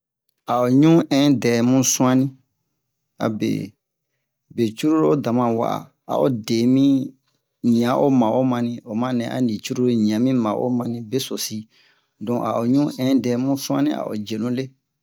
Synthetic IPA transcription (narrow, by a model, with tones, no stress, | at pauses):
a˨o˨ɲũ˦ʔɛ̃˦dɛ˨mũ˦sũ˦ã˦nĩ˦ | a̰˨bḛ˨ | be˨t͡ʃu˦ɾu˦ɾo˦da˨mã˨wa̰˨a̰˨ | a̰˨ʔo˨de˨mĩ˦ | ɲĩ˨ã˨˦ʔo˦mã˨ʔo˦mã˧nĩ˦o˨mã˦nɛ̃˨ʔa̰˨nĩ˨t͡ʃu˦ɾu˦ɾɲĩ˨ã˨mĩ˦mã˨ʔo̰˦mã˧nĩ˦be˦so˨si˦ | dɔ̃˨ʔa˨o˨ɲũ˦ʔɛ̃˦dɛ˨˦mũ˦sũ˦ã̰˦nĩ˦a̰˨ʔo̰˨d͡ʒe˨lũ˦le˦